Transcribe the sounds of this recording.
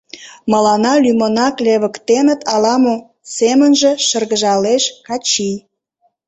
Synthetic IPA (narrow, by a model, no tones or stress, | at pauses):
məlɑnɑlymonɑkleβəkt̪enət̪ɑlɑmo | semənʒĕʃərɣəʒɑleʃkɑt͡ɕij